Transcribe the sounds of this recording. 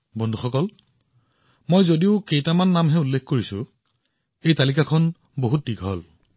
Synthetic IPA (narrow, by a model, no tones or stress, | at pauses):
bɔndʱuxɔkɔl | mojzodiʊkejtamanːamɦɛulːekʰkoɹisʊ̃ | ejtalikakʰɔn | boɦut̚diɡʱɔ̰l